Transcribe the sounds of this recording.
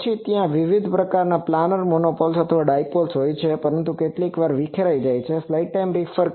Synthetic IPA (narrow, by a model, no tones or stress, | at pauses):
t͡ʃʰit̪jãʋiʋid̪ʱpɾəkaɾnaplanəɾmonopɔlsət̪ʰəʋaɖajpolsɦojt͡ʃʰepəɾənt̪ukeʈlikʋaɾʋikʰeɾaid͡ʒajt͡ʃʰeflaiʈʈajmɾifəɾ